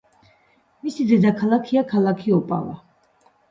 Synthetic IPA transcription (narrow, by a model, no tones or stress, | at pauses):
misid̪ɛd̪akʰalakʰiakʰalakʰiɔpʼa̰va̰